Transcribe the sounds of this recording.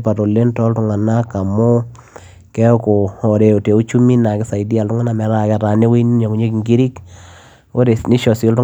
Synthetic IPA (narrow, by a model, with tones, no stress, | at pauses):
pa˨to˨le˦ntɔ˦ltʊ˦ŋa˨na˦ka˨mo˦ | kɛ˦ko˨ɔ˨ɾe˨o˨te˨u˦t͡ʃu˦mi˦na˨kɪ˦sa˨jdi˦a˨ltʊ˦ŋa˦na˨mɛ˨˦ɾa˦kɛ˦˨ɾa˨ne˦we˦n˦ɲɔ˨ku˨ɲe˦ki˨ŋɡi˦ɾi˦k | wo˦ɾe˨sni˦ʃɔ˨si˦ltʊ˦